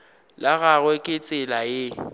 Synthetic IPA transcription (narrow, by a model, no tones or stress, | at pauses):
laɣaɣwɛkʼɪt͡sʼɪlajɪ